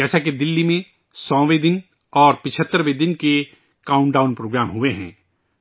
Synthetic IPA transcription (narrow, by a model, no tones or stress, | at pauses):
ɛːsaked̪ɪlːimẽ | sɔ̃ːʋed̪ɪn | ɔːɾpɪt͡ʃʰət̪ːəɾʋed̪ɪnke | kaːʊ̃ɳʈɖaːʊnpɾoːɡɾaːmɦʊeɦɛ̰̃ː